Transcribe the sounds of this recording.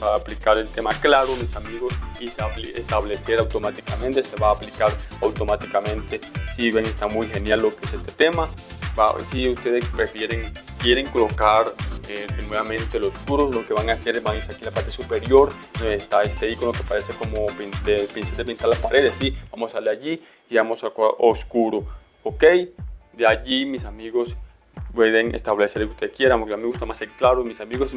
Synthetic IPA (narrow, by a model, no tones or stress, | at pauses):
aːplikaɾelt̪e̞maklaɾomisamiɣosiseaest̪aβle̞se̞ɾawt̪o̞mat̪ikamẽ̞nt̪e̞se̞βaːplikaɾawt̪o̞mat̪ikamẽ̞nt̪e̞siβjeŋest̪amujxe̞njalːo̞keesest̪e̥t̪e̞maba̰siust̪e̞ðespefjeɾeŋ | kje̞ɾeŋkolo̞kaɾedenweβamẽnt̪eloskuɾoslo̞ke̞βaŋase̞ɾbaŋesakinlapaɾt̪esupe̞ɾjo̞ɾnoest̪aest̪eikonloke̞paɾe̞seko̞mopinepinsaɾd̪epint̪aɾlapaɾe̞ðesːib̥amosaleaʝiː | βamosakʔoskuɾo | oke̞jd̪eaʝimisamiɣo̞s | pwe̞ðeŋḛst̪aβle̞seɾlokeust̪eskje̞ɾapokʝameɣust̪amaseklaɾomisamiɣos